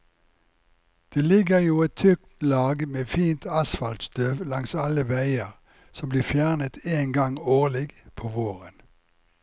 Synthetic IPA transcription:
d̪̥eːlɪɡəʁjuːɛt̪ʰʏkt̪lɑːɡmeːfiːnt̪ʰɑsfɑlt̪st̪øːʋlɑŋsɑləʋæɪəʁ | sɔmbliːfjæːʁnət̪ʰeːŋɡɑŋoːʁlɪɡpʰoːʋoːʁən

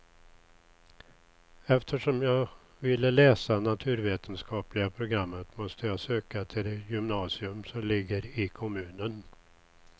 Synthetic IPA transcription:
ɛft̪ʰəʂɔmjɑːɡ | vɪlːəlɛːsanat̪ʰʉ̟ːɾveːt̪ʰənskʰɑːplɪɡapʰɾʊɡɾamːət̪mɔst̪əjɑːsøːkat̪ʰɪljʏmnɑːsɪɵmsɔmlɪɡːəɾɪkʰɔmʉ̟ːnən

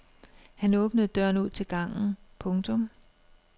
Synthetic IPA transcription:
hænɔ̽ːb̥nəð̩ˠd̥ɶɐ̰nuð̞̰ˠt͡sʰe̝lɡ̥ɑ̈ŋ̰n̩pʰɔ̽ŋt͡sʰɔ̽m

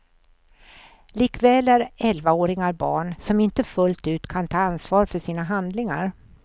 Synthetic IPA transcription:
liːkvɛːlæɾɛlvaoːɾɪŋaɾbɑ̰ːɳsɔmɪnt̪əfɵlt̪ʉ̟ːt̪kʰant̪ʰɑːansvɑːɾfœʂiːnaɦand̪lɪŋa̰ɾ

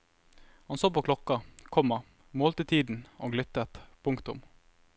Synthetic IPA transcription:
hɑnsoːpoːkʰlɔkɑkʰɔmːɑ | moːlt̪ɪt̪ʰiːd̪n̩ʔo̰ːɡlʏt̪ət̪pʰʊŋkt̪ʊ̰m

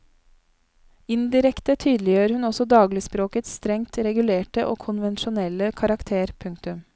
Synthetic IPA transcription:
ɪnd̪ɪɾɛkt̪ət̪ʰyːd̪lɪjøːəɾhʉnɔsɔd̪ɑːɡlɪspɾoːkət̪st̪ɾɛŋt̪ʰɾɛɡʉleːʈəʔoːkʰʊnʋɛnʃʊnɛləkʰɑɾɑkt̪ʰeːɾpʰʉŋk̚t̪ʉm

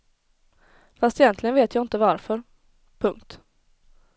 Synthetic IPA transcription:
fast̪ɛjɛnt̪lɪɡənveːt̪ʰjɑːɪnt̪əvaɾfœɾ | pʰɵŋkt̪

